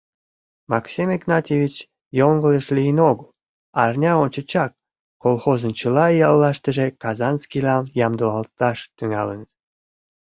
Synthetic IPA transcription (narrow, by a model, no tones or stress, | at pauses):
mɑksʲimeɡnɑt̪ʲevʲit͡ɕ | joŋɡələʃlʲijənoɡəl | ɑrnʲɑont͡ɕə̆t͡ɕɑk̚ː | olxozənt͡ɕəlɑjɑlːɑʃt̪ə̆ʒekɑzɑnskilɑnjɑmd̪uɑlt̪ɑʃt̪yŋɑlənə̆t̪